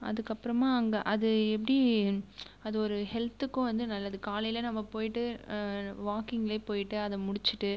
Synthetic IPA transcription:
ɐ̰ðɯkːɐpːɯɾɐmaːɐŋɡɐʔɐðɯɛp̬ːɐɽi | ɐðɯɔɾɯhɛlt̪ːɯkːʊ̃ʋɐnd̪ɯnɐlːɐðɯkaːlɐjɪlɐnɐmːɐpoːjɪʈːɯ | ʋaːkɪŋɡɪleːpoːjɪʈːɯɐðɛmʊɽɪt͡ʃːɯʈːɯ

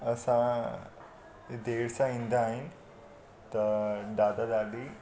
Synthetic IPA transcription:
ɐsã | d̪eːɽsãĩːnd̪aːɦɪnɪ | t̪ɐɖaːd̪ad̪aːd̪i

